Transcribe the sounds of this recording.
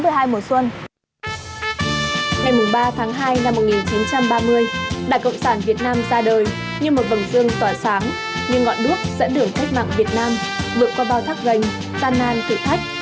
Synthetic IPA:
mɨ˧˩əjɦaː˧jmo˨˩swə˧n | ŋa˨˩jmu˨˩ɓaː˧t̪ʰaː˨˦ŋɦaː˧jna˧mːo˨˩t̚ŋi˨˩nt͡ɕi˨˦nt͡ɕa˧mɓaː˧mɨ˧əjɗa̰ː˧˨jkə̰˧˨wŋ͡msaː˧˩nvi˨˩ət̚naː˧mzaː˧ɗəː˨˩j | ɲɨ˧mo˨˩t̚və˨˩ŋzɨ˧əŋt̪ɔː˧˩jsaː˨˦ŋ | ɲɨ˧ŋːɔ̰˧˨nɗɨ˦˥ək̚z̥ə̰˧˥nɗɨ˧˩əŋk̪ʰə˦˥k̚ma̰ː˧˨ŋvi˨˩ət̚naː˧m | vɨ˨˩əkːɔ˨˦ɓaː˧wt̪ʰaː˦˥k̚ɣə˨˩jŋ̟ | t̪aː˧nːaː˧nt̪ḭ˧˨t̪ʰa˦˥jk̟̚

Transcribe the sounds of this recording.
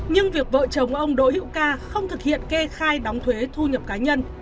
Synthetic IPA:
ɲɨ˧ŋvi˨˩ək̚və̰ː˧˨t͡ɕə˨˩wŋ͡mkʔə˧wŋ͡mɗo̰˧˥hḭ˧˥wkaː˧xə˧wŋ͡mt̪ʰɨ˨˩k̚hḭ˧˨ənke˧xaː˧jɗɔ˨˦wŋ͡mt̪ʰwe˨˦t̪ʰu˧ɲə˨˩p̚kaː˨˦ɲə˧n

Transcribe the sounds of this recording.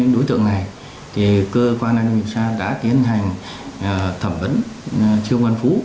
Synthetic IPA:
ɨ̰˧˥ŋɗo˨˦jt̪ɨ̰˧˨əŋna˨˩j | t̪ʰi˨˩kəː˧kwaː˧nːʔaː˨˩mi˨˩əwsaː˧ɗa̰ː˧˥t̪i˨˦ənɦa˨˩jŋ̟˨˩ | t̪ʰə˧˩mvə̰˨˦˥n˨t͡ɕi˧əŋwə˧nfu˧˨˦

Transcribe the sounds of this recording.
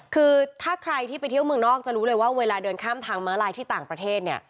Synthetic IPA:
kʰɯː˧t̪ʰaː˥˩kʰɾa˧jt̪ʰiː˥˩pa˧jt̪ʰi˥˩wmɯ˨˩nɔː˥˩k̚t͡ɕa˨˩ɾuː˦˥lɤː˧jwaː˥˩weː˧laː˧dɤː˧nkʰaː˥˩mt̪ʰaː˧ŋmaː˦˥laː˧jt̪ʰiː˥˩t̪aː˨˩ŋpɾa˧t̪ʰeː˥˩t̪̚ni˥˩ɐ

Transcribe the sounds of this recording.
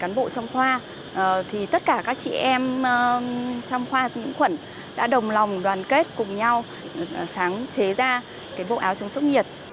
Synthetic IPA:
kaː˨˦nɓo̰˧˨t͡ɕɔ˧wŋ͡mxwaː˧˨˩ | t̪ʰi˨˩t̪ə˦˥t̚kaː˧˩kaː˦˥k̚t͡ɕḭ˧˨ʔɛ˧mː˨ | t͡ɕɔ˧wŋ͡mxwaː˧ɲɨ̰˧˥ŋxwə˧˩n | ɗa̰ː˧˥ɗə˨˩wŋ͡mla˨˩wŋ͡mɗwaː˨˩nke˦˥t̚kʊ˨˩ŋ͡mɲa˧w | saː˨˦ŋt͡ɕe˨˦zaː˧ | kaː˨˦jɓo̰˧˨ʔaː˨˦wt͡ɕɨ˨˦ŋsə˦˥k͡p̚ɲi˨˩ət̚

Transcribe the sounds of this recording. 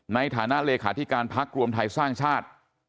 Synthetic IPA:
na˧jt̪ʰa̰ː˩˦na˦˥ʔleː˧kʰaː˩˦t̪ʰi˦˥kaː˧npʰa˦˥k̚ɾu˧əmt̪ʰa˧jsaː˥˩ŋt͡ɕʰaː˥˩t̪̚

